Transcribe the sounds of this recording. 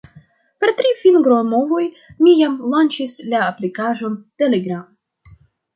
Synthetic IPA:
pe̞ɾt̪ɾifinɡɾomo̞vo̞j | mijamlant͡ʃislaːplikaʒo̞nteleɡɾam

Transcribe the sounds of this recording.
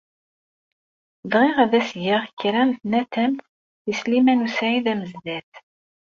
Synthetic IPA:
ðʁiʁæðæsʝaʁçɾænθnæt̪æmθ | islimænusʕiðæməzðæθ

